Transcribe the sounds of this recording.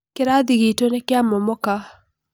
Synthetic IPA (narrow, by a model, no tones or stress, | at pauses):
kɪɾad̪iɡitonɛkɪamɔmɔka